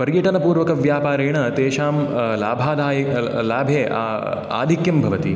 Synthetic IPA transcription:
pɐɾjɐʈɐnɐpuːɾʋɐkɐʋjaːpaːɾeːɳɐt̪eːʃaːmlaːbʱaːd̪ʱaːjɐ | laːbʱjeːʔa̰ː | a̰ːd̪ʱikjɐmbʱɐʋɐt̪i

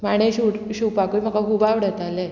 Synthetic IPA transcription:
maɽ̃eɕuʈɕupakujm̤akaɦubaʋɽət̪ale

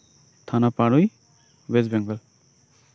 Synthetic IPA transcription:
t̪ʰanapaɹuj | wɛs̬bɛŋɡɔl

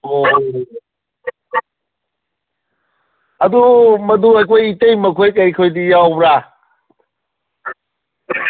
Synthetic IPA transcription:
aduməduajkʰojitejməkʰojk̬ajkʰojdijawbɾa

